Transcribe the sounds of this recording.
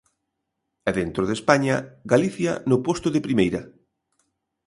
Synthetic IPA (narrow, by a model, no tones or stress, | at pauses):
ɛðent̪ɾoð̞espaɲɐɡaliθjɐnʊpost̪ʊðɪpɾimejɾɐ